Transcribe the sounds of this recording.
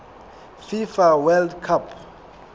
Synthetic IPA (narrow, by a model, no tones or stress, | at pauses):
fifawɛldkʰapʰ